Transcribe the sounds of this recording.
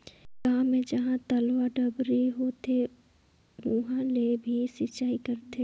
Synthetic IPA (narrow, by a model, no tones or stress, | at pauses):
kaːmẽd͡ʒɐɦãt̪ɐlwaɖɐbɾiɦoːt̪e | ʋʊɦãlebʱisɪt͡ʃaːikɐɾt̪ʰe